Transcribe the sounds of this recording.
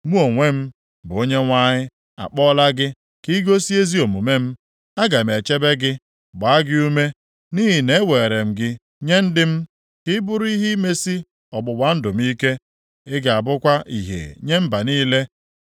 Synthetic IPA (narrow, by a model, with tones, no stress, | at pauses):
mu˦o˨ŋʷe˦m̩˦ | bʊ˨o˦ɲe˦ŋʷa˦ɲɪ˦ | a̰˨k͡pɔ˦la˦ɡɪ˦ | ki˦ɡo˦si˦e˦zi˦o˨mu˨me˦m̩˦ | a˦ɡa˨m̩˨e˨t͡ʃe˦be˦ɡɪ˦ | ɡ͡ba˨a˦ɡɪ˦u˦me˦ | ni˦ɦɪ˨ne˦we˨e˨ɾe˨m̩˨ɡɪ˦ | ɲe˦n̩˦dɪ˦m̩˦ | kɪ˦bʊ˦ɾi˦ɦi˦me˦si˦ | ɔ˨bʊ˨wa˨n̩˦dʊ˨m̩˦i˦ke˦ | ɪ˦ɡa˨bʊ˦kʷa˦ʔḭ˨ɦḛ˨ɲe˦m̩˦ba˨niː˦le˦